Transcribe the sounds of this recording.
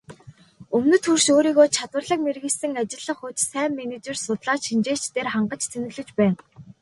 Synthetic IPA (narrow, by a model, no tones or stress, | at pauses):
ɵmnɵ̆t̪xurʃoːɾiːɣoːt͡ɕʰat̪wə̆rɮə̆k̚merɣɘ̆ɮsɘ̆ŋat͡ɕɪ̆ɮə̆χuːt͡ɕsæːmːenet͡ɕersʊt̪ɮaːt͡ɕʃint͡ɕeːt͡ɕt̪eːrχaɴɢə̆t͡ɕt͡sʰenɘ̆ɣɮɘ̆t͡ɕpæːn